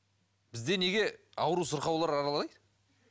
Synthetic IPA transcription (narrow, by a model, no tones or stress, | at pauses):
b̥ɪzd̪e̞ne̞ɡʲe̞ɑwɾusʊɾqɑwlˠɑɾɑɾɑlˠɑjd̪